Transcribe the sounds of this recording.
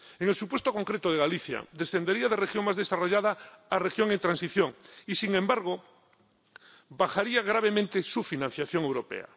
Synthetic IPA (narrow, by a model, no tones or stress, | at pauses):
eŋelsupwe̞st̪oko̞ŋkɾet̪oð̞e̞ɣ̞aliθja̰d̪e̞sθe̞nd̪eɾiaðerexjoŋmazðesaroʝaðaarexjoŋent̪ɾãnsiθjo̞ŋisiŋẽmbaɾɣ̞o | βaxaɾiaɣ̞ɾaβ̞e̞mẽnt̪esufinãn̟θjaθjo̞ŋe̞wɾo̞pḛa̰